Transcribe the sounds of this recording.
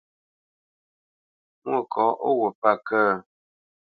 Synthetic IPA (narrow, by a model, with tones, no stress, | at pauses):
ŋwə˦˨kʰɔ˨˦ʔo˦wə˨pa˦˨kəː˦˨